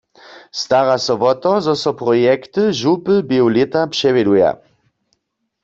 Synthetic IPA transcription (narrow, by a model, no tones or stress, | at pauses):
st̪aʁasɔʋɔt̪ɔzɔsɔpʁɔjɛkt̪ɨʒupəbewlɛt̪apʂɛvɛd̪uja̰